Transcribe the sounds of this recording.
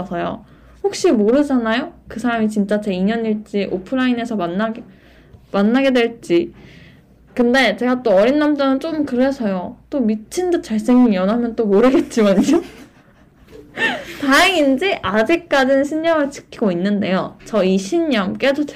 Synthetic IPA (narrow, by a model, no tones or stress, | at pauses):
sʰʌjo̰ | hok̚ɕ͈imoɾɯd͡ʑanajokɯsʰaɾamit͡ɕint͡ɕ͈at͡ɕe̞iɲʌniɭt͡ɕ͈iʔopʰɯɾaine̞sʰʌmanːaɡ | manːaɡe̞dwe̞ɭt͡ɕ͈i | kɯnde̞t͡ɕe̞ɡat͈oʌɾinːamd͡ʑanɯnt͡ɕ͈oɯmkɯɾe̞sʰʌjot͈omit͡ɕʰindɯt͡ɕ͈aɭs͈e̞ŋijʌnɦamjʌnt͈omoɾɯɡe̞t̚t͡ɕ͈imant͡ɕo | taeŋind͡ʑiʔad͡ʑik̚k͈ad͡ʑinɯnɕʰinːʌŋɯɭt͡ɕʰɯ̥kʰiɡoinːɯnde̞jot͡ɕʌiɕʰinɲʌmk͈e̞dot͡ɕ